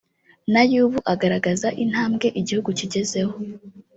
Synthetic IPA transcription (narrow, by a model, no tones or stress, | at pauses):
najuːβuʔaɡaɾaɡazaʔin̥haːmɡe̞ʔiɟihuɡuciɟe̞ze̞ho